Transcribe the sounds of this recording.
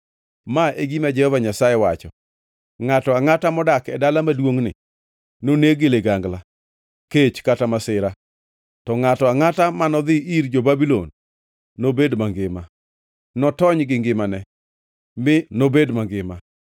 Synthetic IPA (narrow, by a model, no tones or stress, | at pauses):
maeɡimad͡ʒɛhɔvaɲasaɛwat͡ʃɔ̰ | ŋatɔaŋatamɔdakɛdalamadwoŋnɪ̰ | noneɡeleɡaŋɡla | ket͡ʃkatamasɪɾa | tɔŋatɔaŋatamanɔd̪ɪiɾd͡ʒobabilo̰nː | obedmaŋɡɪma | nɔtɔɲɡɪŋɡɪmanɛ | mɪnobedmaŋɡɪma